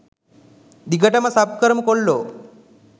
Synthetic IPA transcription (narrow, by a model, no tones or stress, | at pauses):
d̪iɡʱəʈamãsapkəɾmkoɽlo